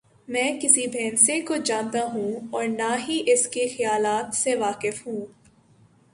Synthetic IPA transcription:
mɛ̃ːkɪsibʱɛːnsẽkod͡ʒãːnt̪aɦũɔːɾnaɦiʔɪskexɐjaːlaːt̪seʋaːkɪfɦũː

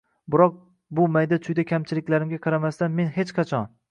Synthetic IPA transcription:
bɪɾɒq̚ | bʊmajd̪at͡ʃʰʊjd̪akʲʰamt͡ʃʰɪlɪkʲlaɾɪmɡʲaqʰɑɾamast̪anme̞nɦet͡ʃqʰɑt͡ʃʰɒn

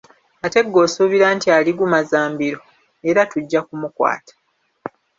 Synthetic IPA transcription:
ate̞ɡːo̞ːsuβiɾaːntialiɡumazaːmbiɾo̞ | e̞ɾatuɟːakumukwa̰ːtḁ

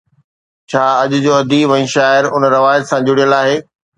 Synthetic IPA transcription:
t͡ɕʰaːɐʄʊ̆d͡ʑoːɐd̪ʱiʋɐ̃ĩːʃaːɪɾʊnɾɐʋaːjət̪sãd͡ʑʊɽijəlaːɦeː

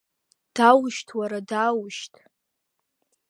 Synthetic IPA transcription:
d̥awʃtʰwaɾadawʃtʼʰ

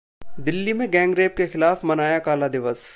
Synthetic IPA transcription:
d̪ɪlːimẽɡɛ̃ːŋɡɾeːp̚kexɪlaːfmɐnaːjakaːlad̪ɪʋəs

